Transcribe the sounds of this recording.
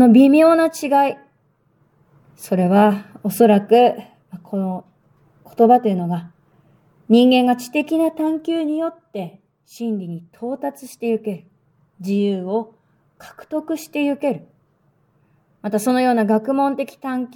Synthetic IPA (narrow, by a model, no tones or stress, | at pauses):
no̞bʲimʲjo̞ːnat͡ɕiɡai | so̞ɾe̞β̞ao̞so̞ɾakɯ̟ | makʰoo | kʰo̞̥t̪o̞bat̪ojɯ̟no̞ɡa | ɲ̟ĩŋɡẽ̞ŋɡat͡ɕi̥t̪e̞kʲinat̪ãŋkʲɨːɲ̟ijo̞t̪ːe̞ | ɕĩnɾʲiɲ̟it̪ʰo̞ːt̪at͡sɨ̥ɕi̥t̪e̞jɯ̟ke̞ɾɯ̟̥ | d͡ʑijɯːo̞ | kʰḁkɯ̟̥t̪o̞kɯ̟ɕi̥t̪e̞jɯ̟ke̞ɾɯ̟ | mat̪aso̞no̞jo̞ːnaɡakɯ̟mõ̞nt̪e̞kʲi̥t̪ãŋkʲ